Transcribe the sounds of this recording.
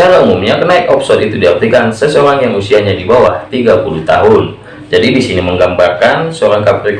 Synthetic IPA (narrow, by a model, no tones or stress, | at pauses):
aɾaumumɲakənaɪkɔpsɔt̪it̪udiart̪ikansəsəoɾaŋjaŋusiaɲadibawaht̪iɡapulut̪a̰ɦʊn | d͡ʒadibisiniməŋɡambarkansəoɾaŋkap̚rik